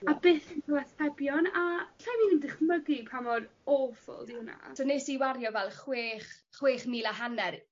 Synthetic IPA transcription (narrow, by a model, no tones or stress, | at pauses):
abeːθinkʰɔwaθɛbjɔnaɬamiːnəndɪχməɡipʰamɔdɔfʊ̰lˠdɪwna̰sʰɔneːsiwaɾjɔvɛlˠχweːχχweːχmiːlˠaɦanɛɾ